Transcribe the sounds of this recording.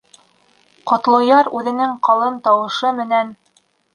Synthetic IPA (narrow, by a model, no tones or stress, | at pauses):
qɑt̪lˠɤ̆jɑɾʉðɘ̆nɘŋqɑlˠɤnt̪ɑwɤ̆ʃɤmɘ̆næn